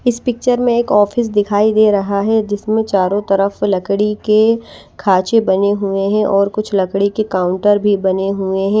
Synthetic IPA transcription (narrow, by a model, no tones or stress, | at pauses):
ɪspɪk̚t͡ʃəɾmẽeːkɔːfɪs̬d̪ɪkʰaːid̪eːɾɐɦaɦɛd͡ʒɪsmẽt͡ʃaːɾõt̪ɐɾəflɐkɽike | kʰaːt͡ʃebɐneɦueɦɛ̃ʔɔːɾkʊt͡ʃʰlɐkɽikekaːʊ̃ɳʈəɾbʱibɐneɦueɦɛ̃ː